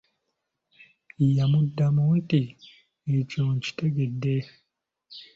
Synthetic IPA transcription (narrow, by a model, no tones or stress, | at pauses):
ijamudːamonti | ecoɲci̥teɡedːe